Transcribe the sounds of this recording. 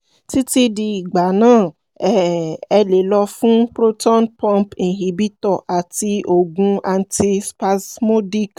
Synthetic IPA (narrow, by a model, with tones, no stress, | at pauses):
ti˦ti˧di˧i˨ɡ͡ba˨˦nãː˦˨ | ɛ˨ɛ˧le˨˦lɔ˧fũ˦pɾo˦tɔ̃˦npɔ̃˧mpĩ˨ɦi˨˦bi˦tɔ˦˨ʔa˨ti˧o˨ɡũ˧a˧n˦ti˧spa˧smo˦di˦k